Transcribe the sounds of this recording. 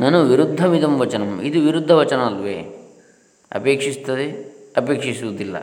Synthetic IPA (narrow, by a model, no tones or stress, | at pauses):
nɐnuʋiɾud̪ʱːɐmid̪ɐmʋɐt͡ʃɐnɐmid̪uʋiɾud̪ʱːɐʋɐt͡ʃɐnɐɐlʋḛː | ɐ̰peːkʂist̪ɐd̪eɐpeːkʂisuʋud̪ilːɐ̰